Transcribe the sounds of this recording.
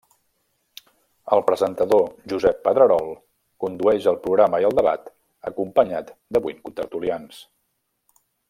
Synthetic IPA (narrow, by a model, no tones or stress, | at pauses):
əlˠpɾəzənt̪əðoʒuzɛpːəðɾəɾɔlˠ | kund̪uɛʒəlˠpɾuɣɾaməiəlˠd̪əβa̰t̪ | ə̰kumpəɲat̪d̪əβujnkut̪əɾt̪ulians